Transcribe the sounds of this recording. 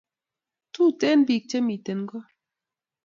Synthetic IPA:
tu˦˨tɛ˦n˦bi˨k̚t͡ʃe˦mi˨te˨n˦ɡɔ˦

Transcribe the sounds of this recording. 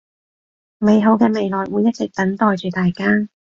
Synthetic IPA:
me˨jɦo˨˥wkɛː˧me˨˧jlɔː˨jwuː˨˧jːɐ˥t̚t͡sɪ˨k̚t̪ɐ˨˥nt̪ɔː˨jt͡ʃyː˨t̪aː˨jkaː˥

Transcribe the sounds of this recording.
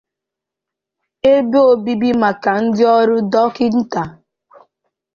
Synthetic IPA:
e˦be˦o˨bi˦bi˦ma˨ka˨n̩˦dɪ˦ɔ˦ɾʊ˦dɔ˦kɪ˦n̩˦ta˨

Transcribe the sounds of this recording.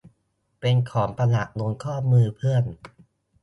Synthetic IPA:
pe˧nkʰɔː˩˦ŋpa˧na˨˩k̚nu˧ənkʰɔː˥˩mɯː˧pʰɯ˥˩ən

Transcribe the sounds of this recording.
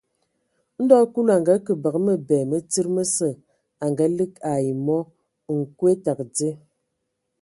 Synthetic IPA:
n̩˦dɔ˦ku˦la˨ŋɡa˨˦kə˨ba˨kmə˦bɛː˨mə˦t͡si˦ɾmə˦sə˦˨ | a˨ŋɡa˨˦lɨ˦k̚a˨ji˨mɔ˦˨ | ŋ̩˨kwe˦ta˨kd͡ze˦

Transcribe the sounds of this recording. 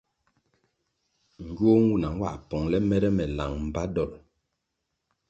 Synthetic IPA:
ŋ̩˨ɡɥo˦ŋ˦wu˦˨na˨ŋ˦wa̰˦˨ʔpɔ˨ŋlɛ˦mɛ˦ɾɛ˦mɛ˨la˨ŋm̩˨ba˦dɔ˦˨l

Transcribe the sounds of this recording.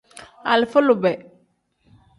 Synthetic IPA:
a̰˨lflu˨bɛ˨

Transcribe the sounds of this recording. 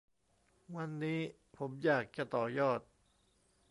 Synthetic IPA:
wa˧nːiː˦˥ | pʰo˩˦mjaː˨˩k̚t͡ɕa˧˩t̪ɔː˨˩jɔː˥˩t̪̚

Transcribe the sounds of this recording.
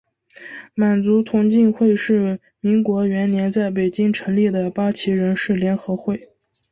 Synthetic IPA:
ma˨˩nt͡su˧˥t̪ʰʊ˧˥ŋt͡ɕi˥˧nxwe˥˧ɪʂɻ̩˥˩ | mi˧˥ŋkwɔ˧˥ɥɛ˧˥nnjɛ˧˥nt͡sa˥˩ɪp̬e˨˩ɪt͡ɕi˥ŋʈ͡ʂʰɤ˧˥ŋli˥˩d̪ə˩pa˥t͡ɕʰi˧˥ɻə˧˥nʂɻ̩˥˩ljɛ˧˥nxɤ˧˥xwe˥˩ɪ

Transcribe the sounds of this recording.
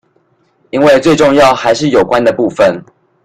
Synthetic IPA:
i˦˥nwe˥˧ɪt͡swe˥˧ɪʈ͡ʂʊ˥˧ŋjɑ˥˨ʊxa˧˦ɪʂɻ̩˥˩jo˨˩ʊkwa˦nd̪ə˨pu˥˨fə˨n

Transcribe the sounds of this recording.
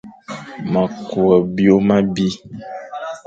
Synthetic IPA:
mã˨ku˨ɛ˨bi˦o˦mã˦bi˦

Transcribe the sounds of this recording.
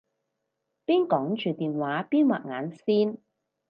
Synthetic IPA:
piː˥nkɔː˨˥ŋt͡ʃyː˨t̪iː˨nwaː˨˥piː˥nwa̰ː˨˩t̚ŋa̰ː˨˥nsiː˥n

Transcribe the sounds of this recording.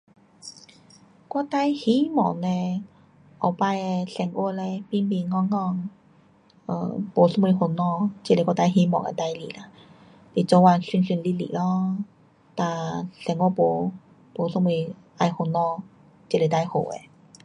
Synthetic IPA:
kwɔ˧˦t̪a˧jhi˧˦mɔ̰˨˩ŋnɛ̃˧ | ʔɔ˨˩pa˧je˧ɬɛ˨˩ŋʔu˧˨lɛ˧pi˧˦nbi˧˨ŋɔ˧˨ŋːɔ˧ŋ | ʔə̰˧˩po˨sɔ˧˥ŋmi˧˩ho˧nɔ˧˨t͡ɕi˧˨le˧kwɔ˧t̪a˧jɦi˧˦mɔ̰˨ŋḛ˧˨t̪a˧jlḭ˧˨la˧ | t̪i˨t͡sɔ˧wa˧nsi˧nsi˧˨nli˧˥lḭ˧˨lɔ˧ | t̪a˧˩ɬɛ˧˩ŋo˧po˧ | po˨˩sɔ˧˦ŋi˧ | ʔa˧jho˧˩nɔ˧˨ | t͡ɕi˧˨le˧˨t̪a˧jho̰˨˩ḛ˧˨

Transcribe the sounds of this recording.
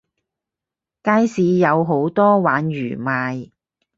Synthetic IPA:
kaː˧˥jsiː˨˧jɐ˨˧wɦo˨˥wt̪ɔː˥waː˨˥njy̰ː˨˩maː˨˧j

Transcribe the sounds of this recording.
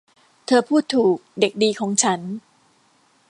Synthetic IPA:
t̪ʰɤː˧pʰuː˥˩t̪ʰːuː˨˩k̚de˨˩k̚diː˧kʰɔː˩˦ŋt͡ɕʰa˦˥n

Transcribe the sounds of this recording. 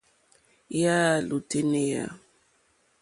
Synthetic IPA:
ja˦˨lu˨te˦ne˦ja̰˨

